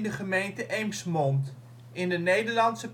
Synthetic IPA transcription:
dəχəmejntəʔejmsmɔnt | ɪndənejdəɹlɑntsəp

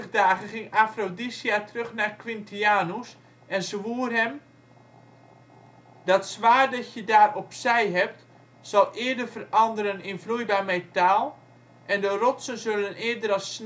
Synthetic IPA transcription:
əχdaːɣəχɪŋafrodisiatrøχnakʋɪntiaːnus | ɛnzʋuːərɦɛm | dɑtsʋaːrdɑtjədaːrɔpsɛjɦɛp̚t | sɑlˠʔɪːədərvərɑndəɾənɪnvlujbamɛtaːlˠ | ʔɛndərɔtsənzølənɪədəɾɑs

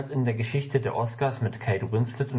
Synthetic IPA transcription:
lsɪndeːɐɡəʃɪçtədeːɐʔɔskaːsmɪtkʰaɪdoʁɪnslɪtʊn

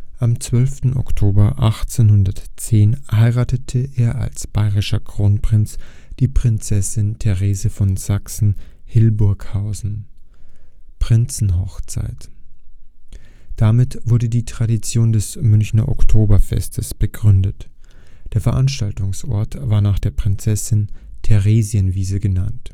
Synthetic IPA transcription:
ʔamt͡sv̥œlftn̩ɔ̰ktʰoːbɐʔaχt͡senhʊndɐtt͡seːnhaɪʁaːtətʰəʔeːɐʔa̰lsb̥aɪʁɪʃɐkʁ̥oːnpʁ̥ɪnt͡sd̥iːpʁ̥ɪnt͡sɛsɪntʰɛʁeːzəfɔnz̥aksn̩hɪlbʊɐkhaʊzn̩ | pʁ̥ɪnt͡sn̩ɦɔxt͡sa̰ɪt | d̥amɪtv̥ʊɐdədiːtʁ̥adit͡sjoːndɛsmʏnçnɐ̰ʔɔ̰ktʰoːbɐfɛ̰stʰəsb̥əɡʁʏndət | d̥eːɐfɛɐʔanʃtaltʊŋsʔɔ̰ɐtv̥aːɐnaːχd̥eːɐpʁ̥ɪnt͡sɛsɪntʰɛʁeːzjənviːzəɡənant

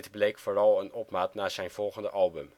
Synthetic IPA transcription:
tblejkfoːrɑlˠənɔpmaːtnaːz̥ɛjnv̥ɔlˠχəndəʔɑlˠbɵm

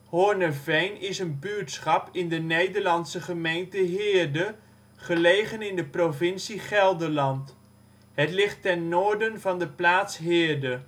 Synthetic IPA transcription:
hoːɹnəvejnɪsənbytsχɑpɪndənejdəɹlɑnsəχəmejntəɦɪːɹdə | χəlejχənɪndəprovɪnsiχɛlˠdəɹlɑnt | ɦətlɪχtɛnːoːɹdənvɑndəplaːtsɦɪːɹdə

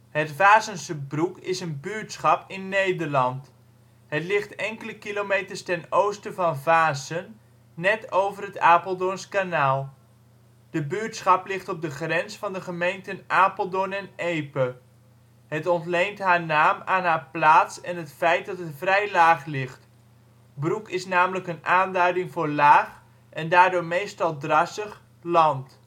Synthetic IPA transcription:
hətfaːzənsəbrukɪsənbytsχɑpɪnːejdəɹlɑnt | ɦətlɪχtɛŋkələkilomejtəɹstɛnowstəvɑnvaːzənː | ɛtowvərətaːpəl̩ˠdonskanaːlˠ | d̥əbytsχɑplɪχtɔp̚dəχrɛnsfɑndəχəmejntənʔaːpəl̩ˠdonɛnejpə | ɦətɔntlejntɦaːɹnaːmaːnɦaːɹplaːtsɛnɦətfɛjt̚dɑtɦətfrɛjlaːχlɪχt | brukɪsnaːmələkənaːndœɥdɪŋvʊːɹlaːχ | ʔɛndaːɹdʊːɹmejstɑlˠdrɑsəχ | lɑnt

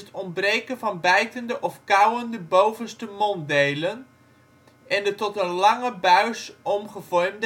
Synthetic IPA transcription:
ətɔnbrejkənvɑnbɛjtəndəʔɔfkawəndəbowvənstəmɔndejlən | ɛndətɔtənlɑŋəbœɥsɔmχəv̥ɔrmd

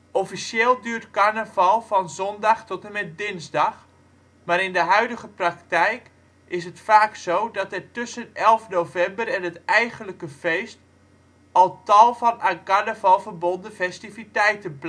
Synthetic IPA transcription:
ʔɔfisɪːlˠdyːɹtkaɹnəvɑlˠfɔnzɔndaxtɔtəmɛt̚dɪnzdax | maɾɪndəɦœɥdəɣəpraktɛjk | ʔɪs̬ətfaːksowdɔtɛrtøsənɛlˠfnowvɛmbərɛnətɛjɣənləkəfejst | ɔlˠtɔlˠvɔnakaɹnəvɑlˠfərbɔndəfɛstifitɛjtəbl

